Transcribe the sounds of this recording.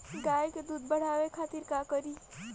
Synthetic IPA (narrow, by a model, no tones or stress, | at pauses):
ɡaːjked̪uːd̪̚bəɽ̤aːwekʰaːt̪iɾkakəɾiː